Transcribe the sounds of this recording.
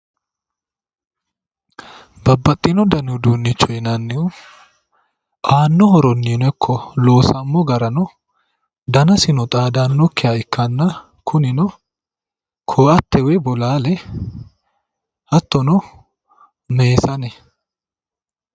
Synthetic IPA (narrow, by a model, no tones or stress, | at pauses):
bɐbːɐt̪ʼːinɔd̪ɐnʊd̪uːnːɪt͡ʃːɔjnɐnːɪʊ | ʔaːnːɔhɔɾɔnːiːnɛkʰːɔloːsɐmːɔɡɐɾɐnɔ | d̪ɐnɐsɪnɔt̪ʼaːd̪anːɔkːɪjaɪkːɐnːɐ | kʰʊnɪnɔ | kʰoːɐt̪ːɛwɛbɔlaːlɛ | hɐt̪ːɔnɔ | meːsɐnɛ